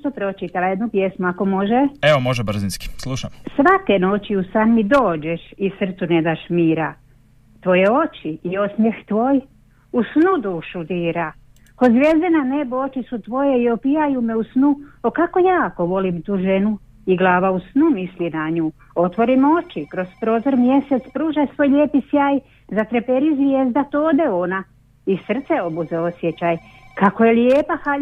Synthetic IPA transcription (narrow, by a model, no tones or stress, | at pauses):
t̪opɾo̞t͡ʃit̪alajed̪nupje̞smuako̞mo̞ʒeeʋomoʒebr̩zinski̥slˠuʃamsʋakeno̞t͡ɕiusanmid̪o̞ːd͡ʒeʃisr̩t̪suned̪aʃmiːɾa | t̪ʋo̞jeo̞t͡ʃiio̞smjext̪ʋo̞ːj | usnud̪uːʃud̪iːɾa | kozʋʲje̞zd̪enaneboot͡ʃisut̪ʋo̞jeio̞pijajume̞usnuokako̞jaːko̞ʋo̞limt̪uːʒe̞nu | iɡlˠaːʋausnumislinaɲuː | o̞t̪ʋo̞ɾimo̞t͡ʃikɾo̞zpɾo̞ːzo̞ɾmje̞set̪spɾuːʒasʋo̞ːjʎeːpisjaːj | zat̪ɾepeɾizʋjeːzd̪at̪oːd̪eo̞na | isr̩t̪seo̞buzeo̞sjet͡ɕaj | kakojeljeːpaxa